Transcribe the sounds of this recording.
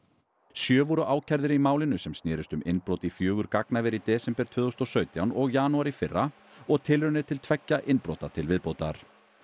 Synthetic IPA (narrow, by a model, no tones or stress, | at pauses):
sjœːvɔɾʏʔaːwcʰajɾðɪɾimaːwlɪnʏsɛmst̪nɛːɾɪst̪ʏmʔɪnːpɾowt̪ifjœːɣʏɾkaknavɛɾit̪ɛːsɛmpɛɾt̪ʰvʏːðowst̪ɔsœːɥt̪jawnɔɣjaːnuaɾifɪrːa | ɔɣt̪ʰɪlɾʏnɪɾt̪ʰɪlt̪ʰvɛcːaʔɪnpɾo̰wt̪at̪ʰɪlvɪðpoːwt̪a̰ɾ̥